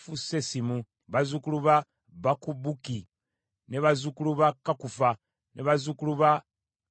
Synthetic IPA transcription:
fusesimu | βazukuluβa | βakubuki | neβazukuluβakakufa | neβazukuluβa

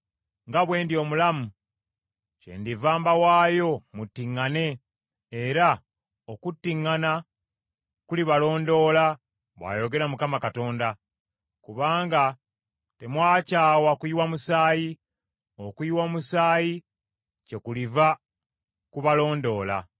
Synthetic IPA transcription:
ŋɡaβwe̞ːndio̞ːmulamu | ce̞̰ndivaːmbawaːjo̞mutːiŋːane̞ | eɾa | okutːiŋːana | kuliβalo̞ːndo̞ːla | βwa̰jo̞ɡe̞ɾamukamakato̞ːnda | kuβaːŋɡa | te̞mwaːcaːwakwiwamusaːji | okiwamusaːji | ce̞kuliva | kuβalo̞ːndo̞ːla̰

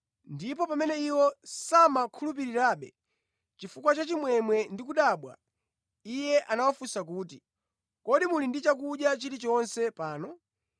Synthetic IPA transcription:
ndipɔpamɛnɛiwɔsamakʰulup̬iɾiɾaːɓɛ̰ | t͡ʃifukwat͡ʃat͡ʃimwɛmwɛndikuɗaɓwa̰ | ijɛʔanawafusak̬uːti | kɔɗimulindit͡ʃak̬uɗjat͡ʃiɾit͡ʃɔnsɛpaːnɔ

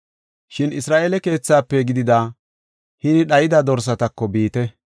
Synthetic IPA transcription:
ʃɪnɪsɾaːʔeːlɛke̞ːt͡sːaːpːɛɡɪd̪ɪd̪aː | hɪnɪɗɐjɪd̪ɐd̪ɔɾs̬ɐt̪ɐkːɔbiːt̪ɛ

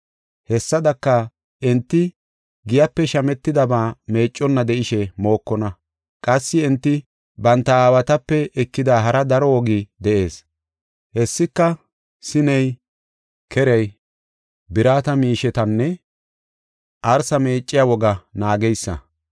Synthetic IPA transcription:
hɛsːɐd̪ɐkːɐ | ʔɛnt̪ːɪ | ɡɪjɐpːɛʃɐmɛt̪ːɪd̪ɐbaːme̞ːt͡ʃʼːɔnːɐd̪ɛʔɪʃɛmo̞ːkːɔnɐ | kʼɐsːɪɛnt̪ːɪ | bɐnt̪ːɐaːwɐt̪ɐpːɛɛkːɪd̪aːɦɐɾɐd̪ɐɾɔwɔɡɪd̪ɛʔe̞ːs | hɛsːɪkːɐ | sɪnɛj | kʰɛɾɛj | bɪɾaːt̪ɐmiːʃɛt̪ɐnːɛ | ʔɐɾsɐme̞ːt͡ʃʼːɪjawɔɡɐnaːɡɛjsːɐ̰

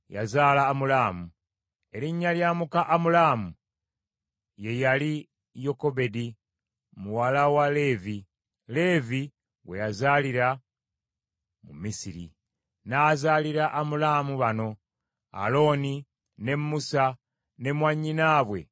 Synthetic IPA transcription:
ja̰zaːlaːmulaːmu | e̞ɾiɲːaljaːmukaʔamulaːmu | je̞jali | jo̞ko̞be̞di | muwalawale̞vi | le̞vi | we̞̰jazaliɾa | mṵmisiɾḭ | naːzaːliɾaʔamulamuβano̞ | a̰lo̞ːni | ne̞mːusa | ne̞mwaɲːinaːβwe̞̰

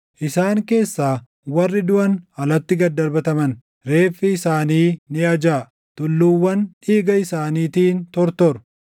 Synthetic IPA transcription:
ʔɪsaːŋke̞ːsːaː | wɐrːɪd̪ʊʔɐnhɐlɐt̪ːɪɡɐd̪ɐɾbɐt̪ɐmɐn | ɾe̞ːfːɪɪsaːniːnɪɐd͡ʒaː | t̪ʊlːuwːɐnᶑiːɡɐɪsaːniːt̪iːnt̪ɔɾt̪ɔɾʊ̥

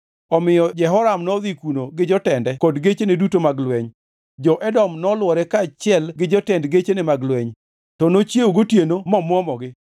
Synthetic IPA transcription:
ɔmɪjɔd͡ʒɛɦɔɾamnɔd̪ikunoɡɪd͡ʒɔtɛndɛkɔdɡet͡ʃenedutomaɡlweɲ | d͡ʒɔʔɛdɔmnɔlwɔɾɛkat͡ʃɪɛlɡɪd͡ʒɔtɛndɡet͡ʃenemaɡlweɲ | tɔnot͡ʃjeuɡotjenomɔmwɔmɔɡɪ

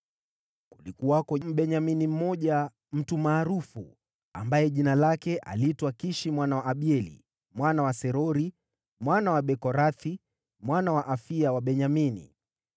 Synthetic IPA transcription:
kulikuwakɔm̩ɓɛɲaminim̩mɔʄa | m̩tumaːɾufṵ | a̰mbajɛʄinalakɛʔa̰litwakiʃimwanawaʔːɓiɛlḭ | mwanawasɛɾɔɾi | mwanawaɓɛkɔɾaθi | mwanawaʔafiawaɓɛɲaminḭ

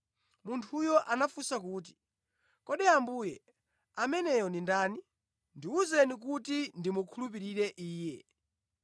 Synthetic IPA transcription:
muntʰujɔʔanafusakuːt̬i̥ | kɔɗɛambuːjɛ | amɛnɛjɔndindaːni | ndiuzɛnik̬utindimukʰulup̬iɾiɾɛʔiːjɛ

